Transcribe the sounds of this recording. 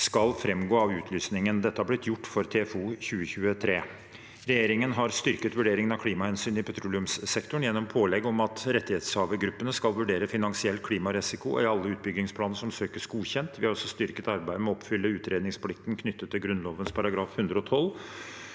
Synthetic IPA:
skɑlfɾɛmɡoːɑʋʉːt̪ʰlyːsnɪŋənd̪ɛt̪ːəhɑblɪt̪jʊʈːfɔɾt̪ʰɛːfuːçʉːəçʉːət̪ʰɾeː | ɾɛjeːɾɪŋənɦɑɾst̪ʏɾkət̪ʋʉɖeːɾɪŋənɑʋkʰliːmɑhɛnsyːnɪpʰɛt̪ʰɾulɪʉmssɛkt̪ʊɳjɛnːɔmpʰoːlɛɡːɔmɑt̪ɾɛt̪ːɪheːt̪shɑːʋəɡɾʉpːənəskɑlʋʉɖeːɾəfɪnɑŋsɪɛlt̪̚kʰliːmɑɾɛsɪkʊ̰ɪɑlːəʉːt̪̚bʏɡ̪ɪŋspʰlɑːnəʂɔmsøːkəsɡuːçɛnt̪ʋɪhɑɾɔsːɔst̪ʏɾkət̪ɑɾbæɪd̪əmɛɔɔpfʏlːəʉːt̪ɾʔeːd̪nɪŋsplɪk̚t̪ən̩kʰnʏt̪ːət̪ʰːɪlɡɾʉnloːʋənspʰɑɾɑɡɾɑːfhʉnd̪ɾəɔt̪ʰɔl

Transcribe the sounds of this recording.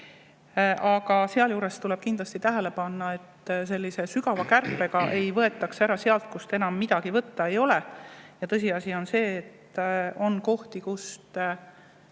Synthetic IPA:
ʔɑɡɑse̞ɑljuːɾe̞st̪ulɛ̞b̥̚kind̪̥lɑst̪it̪æɦele̞pɑnːɑe̞t̪ːse̞lʲːise̞syɡ̥ɑvɑkærpːˑe̞ɡ̥ɑʔe̞jvɤe̞t̪ːˑɑksæɾɑse̞ɑlt̪̚kust̪enɑmːid̪̥ɑɡivɤt̪ːɑejo̞le̞jɑt̪ɤs̬ʲiɑsʲio̞nse̞ːt̪ːo̞nko̞ht̪ikust̪

